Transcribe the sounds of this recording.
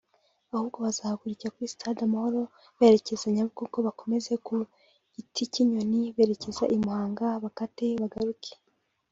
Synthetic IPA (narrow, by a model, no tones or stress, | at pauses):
ahuβɡo̞βazaːakuɾicakwisi̥tʰadamaho̞ɾo̞ | βe̞ɾe̞ce̞zaɲaβɡuko̞βako̞me̞ze̞ku | ɟ̥itʰiciɲo̞niβe̞ːɾece̞zaʔimuhaːŋɡaβakateβaɡaɾukʰe̥